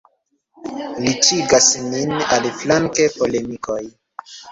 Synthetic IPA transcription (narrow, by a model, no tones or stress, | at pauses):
lit͡ʃiɡasninalflaŋke̞po̞lemikʰo̞j